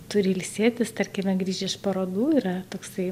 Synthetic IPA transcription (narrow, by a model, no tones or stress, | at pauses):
t̪ʊɾʲɪlʲsʲeːt̪ʲɪst̪ɐɾʲkʲɪmʲɛɡɾʲiːʒʲɛɪʃpɐɾoːd̪uːɪɾɐt̪oːksɐɪ